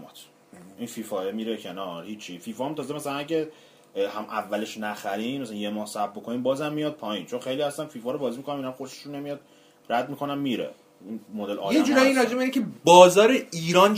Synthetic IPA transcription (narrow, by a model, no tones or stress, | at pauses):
t̪ʰ | infiːfɒːjemiːɾecʰe̞nɒɾhiːt͡ʃʰːifiːfɒːæmt̪ʰɒːzemæsælænæɟe | hæmʔævːæle̞ʃnæxæɾimæsælænjemɒːhsæb̚bokʰoniːmbɒːzæmːijɒd̪̥̚pʰɒːint͡ʃʰo̞nxe̞jliːhæst̪ænfiːfɒːɾobɒːzimikonæminæmxoɾʃe̥ʃunːemijɒd̪̚ | ræd̪̚mikʰo̞næmmiːɾḛ | inmod̪e̞lʔɒ̰ːjed͡ʒuɾjiiːnɾɒd͡ʒeminecʰebɒːzɒːɾeiːɾɒːn